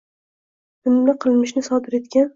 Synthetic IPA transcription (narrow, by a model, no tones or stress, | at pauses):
ɪmlaqʰɨlˠmɪʃnɪsɒd̪ɪɾe̞t̪kʲan